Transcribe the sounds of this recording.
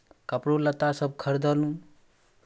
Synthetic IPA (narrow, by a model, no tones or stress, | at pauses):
kʌpɾolːat̪asʌb̚kʰʌɾd̪ʌlũ